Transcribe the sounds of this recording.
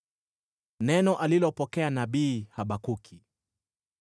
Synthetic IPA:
nɛnɔʔalilɔpɔkɛanaɓiːhaɓakukʰi

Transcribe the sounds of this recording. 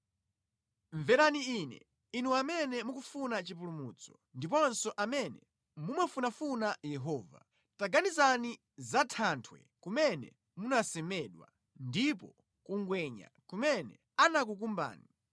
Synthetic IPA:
ɱvɛɾaniinɛ̰ | inuamɛnɛmukufunat͡ʃip̬ulumuːt͡sɔ̥ | ndip̬ɔnsɔʔamɛnɛ | mumafunafunajɛɦɔːva̰ | taɡanizani | zatʰantʰwɛ̰ | kumɛnɛ̰ | munasɛmɛɗwa̰ | ndipɔ | kuŋɡwɛɲa̰kumɛnɛ̰ | anak̬uk̬umba̰ːni

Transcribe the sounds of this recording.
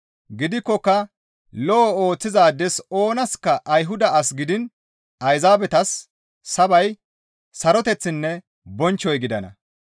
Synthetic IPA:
ɡɪd̪ɪkːɔkːɐ | lɔɔo̞ːt͡sːɪzaːd̪ɛso̞ːnɐskːɐʔːjɦʊd̪ɐɐsɡɪd̪ɪn | ɐjzaːbɛt̪ɐsː | ɐbɐj | sɐɾɔt̪ɛt͡sːɪnːɛ | bɔnt͡ʃːɔjɡɪd̪ɐnɐ̰

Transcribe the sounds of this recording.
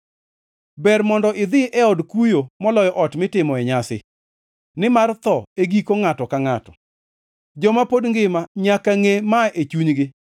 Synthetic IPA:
bɛrmɔndɔʔɪd̪ɪʔɛɔdkujomɔlɔjɔʔɔtmɪtɪmɔɛɲasɪ̰ | nɪmart̪ɔeɡikoŋatɔkaŋatɔ | d͡ʒɔmapodŋɡɪmaɲakaŋemaʔet͡ʃuɲɡɪ

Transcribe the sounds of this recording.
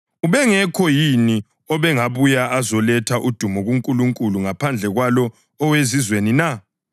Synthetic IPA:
uβɛŋɛkʰɔjini | ɔβɛŋaβujaʔazɔlɛtʰaʔud̥ʱumɔɣuŋkʼuluŋkʼuluŋapʰand͡ɮʱɛɣwalɔː | wezizwenina

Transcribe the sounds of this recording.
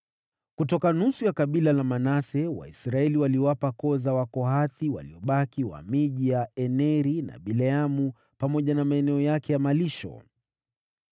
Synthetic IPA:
kutɔkanusujakaɓilalamanasɛwa̰isɾaɛliwaliwapakɔzawakɔɦaθiwa̰liɔɓakiwa̰miʄijaɛnɛɾina̰ɓilɛamu | pamɔʄanamaɛnɛɔjakɛjamaliʃɔ̰

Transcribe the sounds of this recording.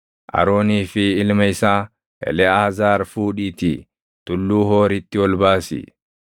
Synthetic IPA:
ʔɐ̰ɾoːniːfɪɪlmɐɪsaː | ʔɛ̰lɛaːzaːɾfuːᶑiːt̪i | t̪ʊlːuːɦoːɾɪt̪ːɪwɔlbaːsɪ̰

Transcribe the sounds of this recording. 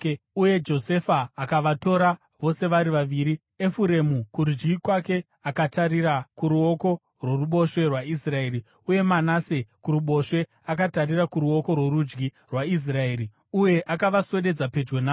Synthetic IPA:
uje̞d͡ʒo̞se̞faːkaʋato̞ɾa | ʋo̞se̞ʋaɾiʋaʋiːɾi | efuɾe̞mukuɾud͡ʒɡikwake̞ | akataɾiɾakuɾuo̞ko̞ | rwo̞ruɓo̞ʃwe̞rwaisrae̞ːɾi | uje̞manase̞kuɾuɓo̞ʃwe̞ | akatarirakuɾuo̞ko̞rwe̞ɾud͡ʒɡi | rwais̬rae̞ːɾi | uje̞ʔakaʋaswe̞ɗe̞d͡zape̞d͡ʒwe̞na

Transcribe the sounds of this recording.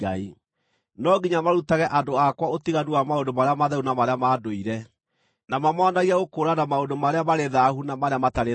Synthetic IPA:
ai | nɔɡiɲamaɾutaɣɛʔandoakwaotiɣaduamaondomaɾeamaðɛunamaɾeamaːdoiɾɛ | namamɔnaɣiaɣokoːɾanamaondomaɾeamaɾeðahunamaɾeamataɾe

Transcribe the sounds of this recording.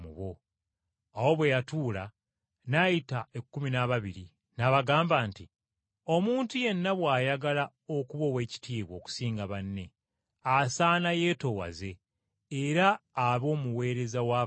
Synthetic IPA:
mṵβo̞ | awo̞βwe̞jatuːla | najitaekːuminaβaβiɾi | naβaɡaːmbaːnti | o̞muːntuje̞nːaβwaːjaɡala | o̞kuβo̞we̞ːci̥tiːβwo̞ːku̥siːŋɡaβanːe̞ | asaːnaje̞ːto̞wa̰ze̞ː | ɾaːβo̞ːmuwe̞ːɾe̞zawaː

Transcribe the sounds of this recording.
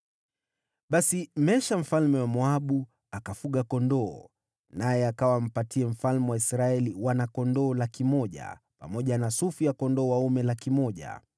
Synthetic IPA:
ɓasimɛʃam̩falmɛwamɔaɓu | akafuɠakɔndɔː | najɛakawam̩patʰiɛm̩falmɛwaisɾaɛliwanakɔndɔːlakimɔʄa̰ | pa̰mɔʄanasufijakɔndɔːwaumɛlakimɔʄa̰

